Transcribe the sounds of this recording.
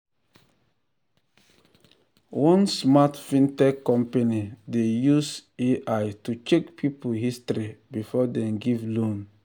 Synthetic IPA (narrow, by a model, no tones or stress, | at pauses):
wɔ̃nsmatfĩntɛkːɔ̃mpenidejuseʔajtut͡ʃekpʰipohistɾibifɔdɛ̃mɡivlõn